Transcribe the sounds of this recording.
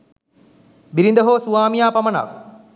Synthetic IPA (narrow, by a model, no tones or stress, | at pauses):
biɾind̪ɐɦoːsuʋaːmijaːpɐmɐna̰ʋ